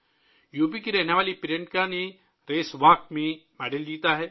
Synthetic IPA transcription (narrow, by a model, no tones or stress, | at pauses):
juːp̬ikiɾɛɦneʋaːlipɪɾẽɳʈ̚kane | ɾeːsʋaːkmẽmɛːɖəld͡ʒiːt̪aɦɛː